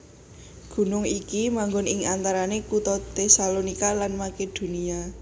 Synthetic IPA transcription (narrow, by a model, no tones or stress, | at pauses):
ɡ̥ṳnʊŋikimaŋɡʊnɪŋant̪aɾanekut̪ɔt̪esalonikalanmaked̪̥o̤nia